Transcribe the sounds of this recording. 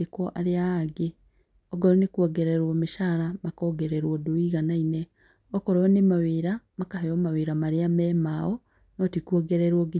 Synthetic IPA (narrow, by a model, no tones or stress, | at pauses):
ekoʔaɾjaaɡe | oɡɔɾonekwoɡeɾeɾwomeʃaɾamakɔːɡeɾeɾwɔdoiɣanaine | okoɾonemaweɾamakahejomaweɾamaɾjamɛmao | notikuoɡeɾeɾwoɡi